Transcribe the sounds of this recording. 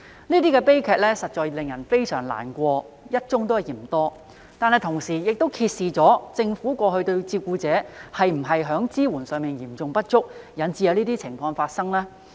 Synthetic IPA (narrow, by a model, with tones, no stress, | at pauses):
niː˥t̪iː˥kɛː˧pe˥jkʰɛː˨k̚lɛː˥sɐ˨t̚t͡ʃɔː˨jlɪ˨ŋjɐ˨˩nfe˥jsœː˨˩ŋla̰ː˨˩nkʷɔː˧ | jɐ˥t̚t͡sʊ˥ŋt̪o˥whɐ˨˩jiː˨˩m˨˩t̪ɔː˥ | t̪aː˨nhɐ˨jt̪ʰʊ˨˩ŋsiː˨˩jɪ˨k̚t̪o˥wkʰiː˧t̚siː˨t͡sɔː˨˥t͡sɪ˧ŋfuː˨˥kʷɔː˧hɵ˧t̪ɵ˧ɥt͡siː˧p̚kuː˧t͡sɛː˨˥hɐ˨jm̩˨˩ɦɐ˨jɦœː˨˥ŋt͡siː˥wuː˨˩nsœː˨ŋmiː˨njiː˨˩mt͡sʊ˨ŋpɐ˥t̚t͡ʃʊ˥k̚jɐ˨˥nt͡siː˨˧jɐ˨˧wniː˥t̪iː˥t͡sʰɪ˨˩ŋfɔː˧ŋfaː˧t̚sɐ˥ŋlɛː˥